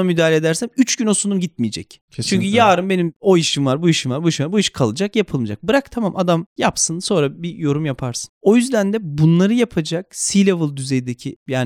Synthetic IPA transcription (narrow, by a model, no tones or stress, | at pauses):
amyd̪aːlʲed̪æɾsæmyt͡ʃɟyno̞sunumɟit̪̚mijed͡ʒɛ̰c | t͡ʃʰyɲcʰyjaːɾɯmbe̞nimo̞iʃimvaɾbuiʃimvaɾbuiʃimvaɾbuiʃkʰalˠɯd͡ʒakjapʰɯlˠmɯd͡ʒak̚bɯɾakt̪ʰamamʔad̪amjapsɯnso̞nɾabijo̞ɾumjapʰaɾsɯ̥no̞jyzd̪ænd̪ɛbunlˠaɾɯjapʰad͡ʒak̚silʲevɯlˠd̪yzejd̪ecʰijaːn